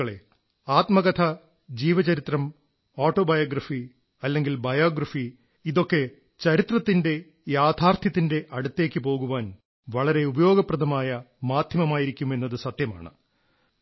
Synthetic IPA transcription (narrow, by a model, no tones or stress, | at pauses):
ɐɭe̞̰ | aːt̪mɐɣɐt̪ʰɐ | d͡ʑiːʋɐt͡ɕɐɾit̪rɐm | oːʈːo̞ːbɐjoːɡrɐfi | ɐlːe̞ŋɡilbɐjoːɡɾɐfi | iðo̞kːe̞ | t͡ɕɐɾit̪rɐt̪ːinde̞ | jaːd̪ʱaːrt̪ʰjɐt̪ːinde̞ʔɐɽut̪ːe̞ːkʲːɨpo̞ːɣuʋaːn | ʋɐɭɐɾe̞ubɐjo̞ːɡɐprɐd̪ʱɐmaːjɐ | maːd̪ʱjɐmɐmaːjiɾikʲːume̞nːɐðɨsɐt̪jɐma̰ːɳɨ̰